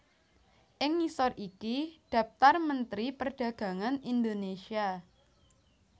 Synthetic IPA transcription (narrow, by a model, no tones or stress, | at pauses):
ʔɪŋːisɔrikid̪̥ä̤f̚t̪armənt̪ɾipərɖ̥ä̤ɡ̥ä̤ŋanind̪onesia